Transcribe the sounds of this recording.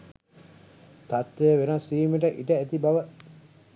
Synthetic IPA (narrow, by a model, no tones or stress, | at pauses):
t̪at̪ʋejəʋenasiːmeʈəʔiʈəæt̪ibaʋə